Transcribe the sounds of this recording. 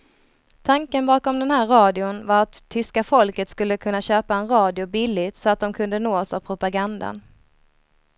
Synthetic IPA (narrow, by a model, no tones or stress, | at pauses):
t̪ʰaŋkənbɑːkɔmd̪ɛnhæːɾɾɑːd̪ɪʊnvaɾat̪ʰːʏskafɔlkət̪skɵlːəkʰɵnːaɕøːpaɛnɾɑːd̪ɪʊbɪlːɪt̪sɔat̪̚d̪ɔmkʰɵnd̪ənoːsavpʰɾʊpaɡand̪a̰n